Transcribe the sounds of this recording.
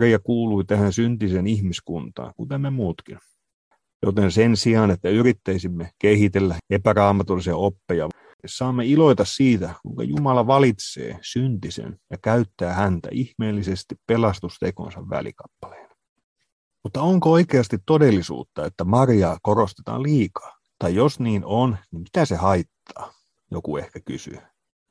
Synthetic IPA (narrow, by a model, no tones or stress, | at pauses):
rijɑkuːluit̪æhænsynt̪isenihmiskunt̪ɑ̰ːŋkut̪emːemuːt̪kin | jo̰t̪ensensiɑːnet̪ːæyɾit̪ːæisimːekehit̪elːæepærɑːmɑt̪ulːˑisiɑopːejɑ | sɑːmːeilo̞it̪ɑssiːt̪ækuiŋkɑ̰jumɑlɑʋɑlit̪sḛːsynt̪isḛnjɑkæyt̪ːæːhænt̪æ̰ʔihmeːlːisest̪ippelɑst̪ust̪eko̰nsɑʋʋæ̰lḭkɑ̥pːɑ̥le̥ːn̥ | mut̪ːɑoŋkooikeɑst̪it̪todelːisṵːt̪ːɑet̪ːæmɑrjɑːkorost̪et̪ɑ̰ːliːkɑ̥ː | t̪ɑjjosniːnʔonnimmi̥t̪æsehɑit̪ːɑː | jokuehkæky̰sy̰